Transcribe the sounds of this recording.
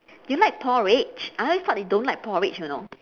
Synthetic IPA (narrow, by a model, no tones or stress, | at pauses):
julaɪk̚pʰɔɹet͡ʃʔaõsɔtdõnlaɪk̚pʰɔɹɪt͡ʃjono̰